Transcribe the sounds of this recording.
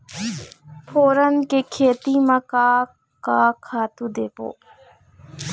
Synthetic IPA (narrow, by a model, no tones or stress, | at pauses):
pʰoːɾənkekʰeːt̪imɐkaː | kaːkʰaːt̪ud̪eːpo̰ː